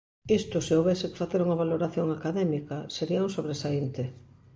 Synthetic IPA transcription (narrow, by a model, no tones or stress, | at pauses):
ist̪ʊseowβeseke̥faθeɾuŋɐβaloɾaθjoŋakaðɛmikaseɾiaũŋsoβɾesaint̪e